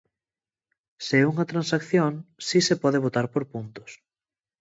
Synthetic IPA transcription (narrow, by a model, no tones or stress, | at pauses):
seɛuŋɐt̪ɾãnsakθjoŋsisepɔðeβ̞ot̪aɾpoɾpunt̪ʊ̥s